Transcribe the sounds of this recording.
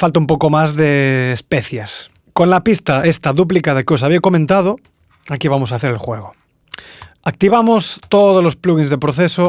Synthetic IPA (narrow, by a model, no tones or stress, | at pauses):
falt̪aumpokomazðeːspeθjes | konlapist̪aest̪aðup̬likað̞ekeo̞saβiekomẽnt̪að̞o | akiβamosaθeɾelxweɣ̞o | ak̚t̪iβamost̪oð̞olospluɣinzðepɾoθeso